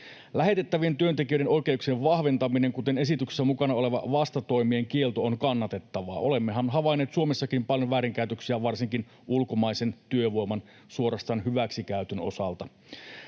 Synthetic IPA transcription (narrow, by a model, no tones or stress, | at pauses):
læɦe̞t̪et̪ːæʋie̞nt̪yønt̪ek̟iøʏɾe̞nʔo̞jk̟e̞uksieʋʋɑhʋent̪ɑmine̞ŋkut̪e̞nesit̪ykse̥sːæmukɑnɑo̞le̞ʋɑ̰ʋɑst̪ɑt̪o̞jmie̞ŋkie̞lt̪oonkɑnːɑt̪e̞t̪ːɑʋɑ̰ːʔo̞le̞mːeɦɑnɦɑʋɑjnːe̞ːt̪suo̞me̞sːɑkimpɑljo̞ʋæːɾiŋkæyt̪øksiæʋɑrsiŋkin | ulko̞mɑjse̞nt̪yøʋo̞jmɑn | suo̞ɾɑst̪ɑːnɦyʋæksikæyt̪øno̞̰sɑlt̪ɑ